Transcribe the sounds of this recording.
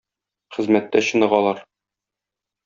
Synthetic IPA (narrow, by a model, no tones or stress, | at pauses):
χɘ̆zmæt̪ːæɕɤ̆nɤ̆ʁɒlˠɑɾ